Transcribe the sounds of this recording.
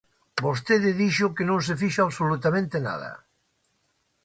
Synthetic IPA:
bost̪eð̞ɪðiʃʊkenõŋs̬efiʃoaβsolut̪amẽnt̪ena̰ð̞ɐ̰

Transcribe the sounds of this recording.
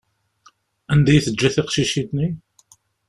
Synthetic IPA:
ænd̪æjθəd͡ʒːæθiqʃiʃid̪ni

